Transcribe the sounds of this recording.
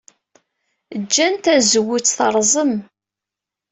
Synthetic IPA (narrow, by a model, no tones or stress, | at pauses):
d͡ʒːænt̪æzəwːʊt͡sθɑɾˤzˤəm